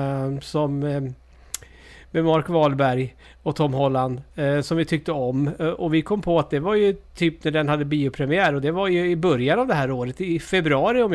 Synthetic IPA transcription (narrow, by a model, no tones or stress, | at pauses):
sɔm | mɛmaɾkvɑːlbæɾj | ɔt̪ʰɔmhɔlːand̪sɔmvɪt̪ʰʏk̚t̪əɔmʔɔvɪkʰɔmːpʰɔat̪̚d̪ɛvaɾjɵt̪ʰyːpnæɖɛnhad̪ːəbiːʊpʰɾɛmɪæːɾɔd̪ɛvaɾjɵɪbœɾjanavd̪ɛɦæːɾoːɾət̪ɪfɛbɾɵɑːɾɪɔm